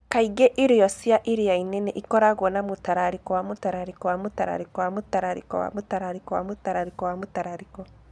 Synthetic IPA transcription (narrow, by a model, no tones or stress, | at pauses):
kaiɡɛʔiɾiɔsjaʔiɾiainɛnɛʔikɔɾaɣwɔnamutaɾaɾikɔwamutaɾaɾikɔwamutaɾa̰ɾikɔwamutaɾaɾikɔ̰wa̰mutaɾaɾikɔwa̰mutaɾaɾikɔwamutaɾaɾikɔ